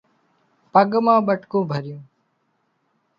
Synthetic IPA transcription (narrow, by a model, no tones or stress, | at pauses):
pəɡmãːɓəʈkõːbʱəɾjũː